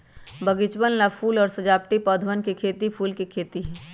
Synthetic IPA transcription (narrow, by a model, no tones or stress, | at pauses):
bʱɐɡɪt͡ʃwənlapʰuːlɔːɾsɐd͡ʒaːp̚ʈipɔːd̪ʱʋənkekʰeːt̪ipʰuːlkekʰeːt̪iɦɛː